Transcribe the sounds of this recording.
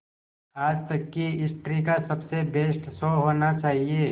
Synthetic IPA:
aːd͡ʒt̪ɐkːiɪsʈɾikasɐbsebeːsʈsoːɦoːnat͡ʃaːɦieː

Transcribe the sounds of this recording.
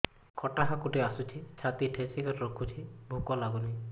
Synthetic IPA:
kʰɔʈaɦakuʈeasut͡ʃʰit͡ʃʰat̪iʈʰesikɔɾɾɔkʰut͡ʃʰibʱukɔlaɡuni

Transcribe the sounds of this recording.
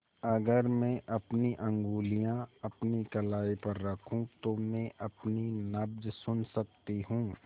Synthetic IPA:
ɐɡəɾmɛ̃ʔɐpniʔɐ̃ŋɡuːlijãɐpnikɐlaːipɐɾːɐkʰũt̪omɛ̃ʔɐpninɐb̚d͡ʒsʊnsɐk̚t̪iɦũː

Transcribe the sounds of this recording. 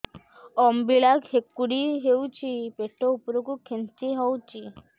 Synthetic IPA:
ɔmbiɭakhekːuɽiɦewt͡ʃʰipeʈʰɔupɾokukʰent͡ʃiɦɔwt͡ʃʰi

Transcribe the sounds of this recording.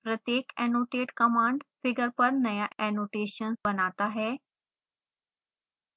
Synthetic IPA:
pɾət̪jeːkɛnoʈeːʈkəmãːɳɖfɪɡəɾpəɾnɐjaʔɛnoːʈeɕənsbənat̪aɦɛ

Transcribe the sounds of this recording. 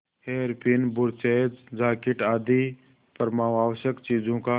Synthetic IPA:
heːɾpɪnbʊɾt͡ʃeːd͡ʒd͡ʒaːkɪʈaːd̪i | pəɾmaːʋaːʋəʃjəkt͡ʃiːd͡ʒõka

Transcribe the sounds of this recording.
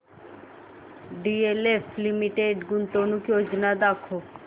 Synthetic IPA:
ɖielefʰlimiʈeɖɡunt̪onukjod͡ʒnad̪akʰo

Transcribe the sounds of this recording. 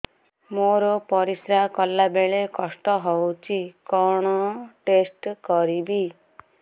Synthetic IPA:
moɾɔpɔɾisɾakɔlːabeɭekɔsʈ̪ɔɦowt͡ʃʰikɔɽ̃ɔʈesʈkɔɾibi

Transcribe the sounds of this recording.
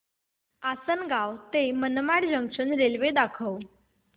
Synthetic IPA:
asənɡawt̪emənmaɽd͡ʑəŋɡʂənɾelʋed̪akʰəw

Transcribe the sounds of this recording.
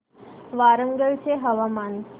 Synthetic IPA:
ʋaɾəŋɡəɭt͡ɕeɦəʋaman

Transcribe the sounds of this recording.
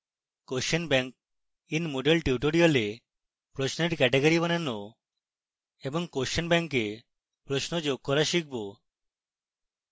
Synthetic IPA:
koʃɔnbɛŋk̚ | inmoɖelʈiuʈoɽiole | pɾosneɾkɛʈeɡoɾibɔnano | ebɔŋkoʃɔnbɛŋkːe | pɾosnod͡ʒoɡ̚kɔɾaʃik̚ʰbo

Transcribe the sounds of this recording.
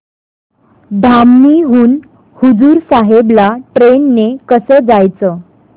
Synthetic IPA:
d̪ʱamːiɦuːn | hud͡zuːɾsaɦeblaʈɾenːekəsəːd͡zajt͡sə

